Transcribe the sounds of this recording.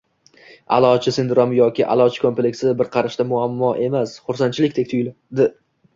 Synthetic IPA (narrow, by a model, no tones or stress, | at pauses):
a̰lˠɒt͡ʃʰɪsɪnd̪ɾomjɒkʲɪʔa̰lˠɒt͡ʃʰɪ̥kʰomplekʲsɪbɪɾqʰɑɾɪʃt̪amʊamːɒʔe̞masχʊɾsant͡ʃʰɪlɪkʲt̪ʰekʲt̪ʰʊjl | d̪ɪ